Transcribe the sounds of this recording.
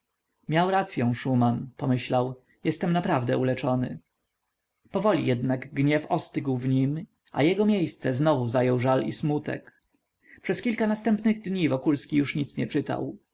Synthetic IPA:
mʲjawɾat̪sʲjɔ̃w̃ʂumanpɔmɘɕlaw | jɛst̪ɛmnapɾavd̪ɛulɛt͡ʂɔnɘ̰ | pɔvɔlʲḭjɛd̪naɡɡɲɛfɔst̪ɘɡwvɲim | ʔa̰jɛɡɔmʲjejst̪sɛznɔvuzajɔwʐalḭsmut̪ɛ̰k | pʂɛskʲilkanast̪ɛmpnɘɣd̪ɲivɔkulskʲijuʂɲit̪sɲɛt͡ʂɘt̪a̰w

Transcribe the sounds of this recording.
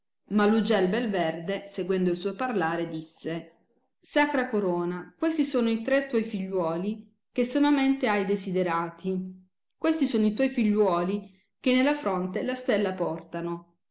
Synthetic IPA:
malːud͡ʒɛlbelverd̪eseɡwɛnd̪oilsɔjparlaːɾed̪isːe | sakɾakoɾoːnakwest̪isoːnoit̪ɾet̪ːwɔjfiʎːwɔːli | k̟esomament̪eajd̪ezid̪eɾaːt̪ʰi | kwest̪isoːnoit̪wɔjfiʎːwɔːli | k̟enːelːafɾɔnt̪elast̪elːapɔrt̪ano

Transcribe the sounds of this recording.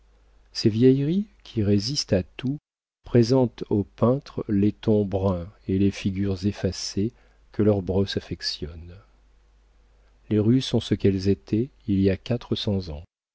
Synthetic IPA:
sevjɛjʁikʲʰiʁezist̪at̪u | pχezɑ̃t̪opɛ̃t̪χlet̪ɔ̃bʁɛ̃elefiɡʲyʁzefase | kəlœʁbʁɔsafɛksjɔn | leʁysɔ̃səkɛlzet̪ʰɛiliakat̪χəsɑ̃zɑ̃

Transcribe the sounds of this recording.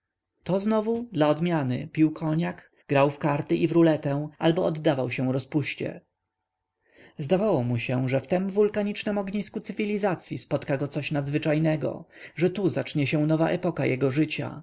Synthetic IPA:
t̪ɔznɔvud̪laɔd̪mʲjanɘ̰pʲiwkʰɔɲak | ɡ̥ɾawfkaɾt̪ɘʔivɾulɛt̪ɛ̃albɔɔd̪ːavawɕɛ̃w̃ɾɔspuɕt͡ɕɛ̰ | zd̪avawɔmuɕɛʐɛft̪ɛmvulkaɲit͡ʂnɛmɔɡɲiskut̪sɘvʲilʲizat̪sʲjispɔt̪kaɡɔt̪sɔɕnad̪zvɘt͡ʂajnɛɡɔ̰ʐɛt̪uzat͡ʂɲɛɕɛ̃nɔva̰ʔɛpɔkajʔɛɡɔʐɘt͡ɕa̰

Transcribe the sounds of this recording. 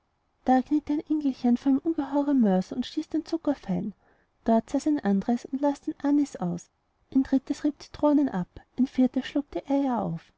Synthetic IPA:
d̥aːkniːtaɪnʔɛŋɡl̩çənfɔɐenʔʊnɡəɦɔʏʁəmœɐsʊntʃtiːsd̥ent͡sʊkɐfɛɪn | d̥ɔɐtsaːsaɪnʔandəʁəsʊntlaːsd̥enʔanisʔaʊs | ʔand̥ʁɪt̚əsʁiːp̚tt͡si̥tʁ̥oːnənʔapʔɪnfiɐtəʃluːk̚tʰeʔeɐjaɐʔaʊf

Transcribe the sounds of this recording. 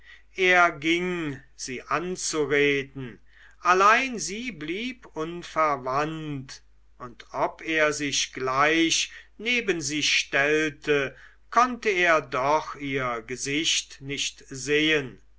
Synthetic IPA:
ʔeːɐɡɪŋz̥iːʔant͡suʁeːdn̩ | ʔalaɪnziːbliːpʔʊnfɛɐvant | ʔʊntʔɔpeːɐzɪʃɡ̥laɪɕneːbənziːʃtɛltʰə | kʰɔntəeːɐdɔχiːɐɡəzɪʃtnɪçtzeːən

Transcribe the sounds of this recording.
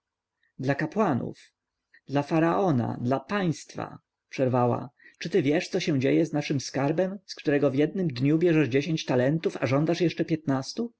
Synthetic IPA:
d̪lakapwanṵf | d̪lafaɾaʔɔna̰d̪lapaj̃st̪fa̰ | pʂɛɾvawa̰t͡ʂɘt̪ɘvʲjɛʂt̪sɔɕɛw̃d͡ʑejɛznaʂɘmskaɾbɛmskt̪uɾɛɡɔvʲjɛd̪̚nɘmd̪ɲubʲjɛʐɛʐd͡ʑeɕẽɲt͡ɕt̪alɛnt̪ufaʐɔnd̪aʂjɛʂt͡ʂɛpʲjɛt̪nast̪u

